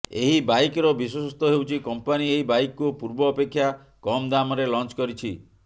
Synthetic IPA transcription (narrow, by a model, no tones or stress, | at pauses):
eɦibajkɾɔbis̬wɔsɔst̪ɔɦewt͡ʃʰikɔmpanieɦibajkkupuɾbɔːpekʰːja | kɔmd̪amɔɾelɔnt͡ʃkɔɾit͡ʃʰi